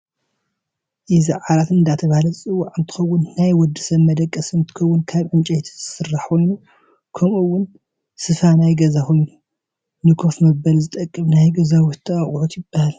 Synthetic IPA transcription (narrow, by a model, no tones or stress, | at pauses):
ʔizɐʕaɾat̪ɨnd̪at̪ʰɐβahalɐt͡sʼɨwːaʕɨnt̪ʰɨ̥xɐwːʊnːajwɔd̪ːɨsɐβmɐd̪ɐkʼːɐsɨnt̪ʰɨ̥xɐwːʊnkʰaβʕɨnt͡ʃʼɐjt̪ʰzɨsɨrːaħkʰojnu | kʰɐmuwːʊn | sɨfanajɡɐzakʰo̞jnu | nɨkʰofmɐbɐlzɨt̪ʼɐkʼːɨmnajɡɐzawɔt̪ʰːɨaχʼʕut̪jɪb̥ːahal